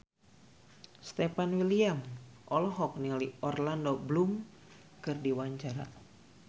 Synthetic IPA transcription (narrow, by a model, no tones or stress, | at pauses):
st̪epanwiliamʔɔlɔɦɔk̚nialiɔrlandoblum | kɨrdiwaɲt͡ʃaɾa̰